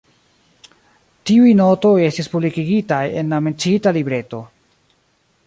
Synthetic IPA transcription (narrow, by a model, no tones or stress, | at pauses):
tiujno̞to̞je̞stispublikiɡitaje̞̰nlament͡sitalibɾe̞to̞